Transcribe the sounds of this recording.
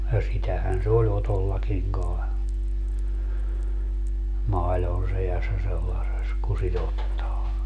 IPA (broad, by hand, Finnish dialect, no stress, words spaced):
jɑ sitæhæn se olʲ otolːɑkiŋ kɑe mɑilon sejɑsːɑ selːɑses ku sit otːɑː